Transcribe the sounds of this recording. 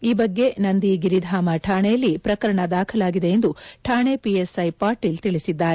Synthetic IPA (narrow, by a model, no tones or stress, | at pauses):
iːbɐɡːe̞nɐnd̪iɡiɾid̪ʱaːmɐʈʰaːɳejɐlːipɾɐkɐɾɐɳɐd̪aːkʰɐlaːɡid̪e̞jend̪uʈʰaːɳepiesɐjpaːɾʈiːlt̪iɭisid̪ːaːɾe